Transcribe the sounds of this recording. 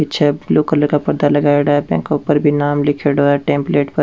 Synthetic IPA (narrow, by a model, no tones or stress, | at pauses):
ɪtːʃʰabluːkələɾkapɐɾd̪alɐɡaːeɽaːbɛ̰̃ːŋkːupəɾbʱinaːmlɪkʰeɽoaʈẽːmpleːʈpɐ